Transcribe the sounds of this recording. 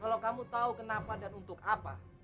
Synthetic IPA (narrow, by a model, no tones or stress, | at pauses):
kalakamut̪aukənapadanunt̪ʊkapa̰